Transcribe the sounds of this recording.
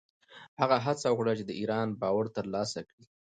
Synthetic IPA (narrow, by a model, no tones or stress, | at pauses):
haɣaɦat͡sawəxɽat͡ʃed̪əiɾɑnbɑwaɽt̪əɾlɑsakɽi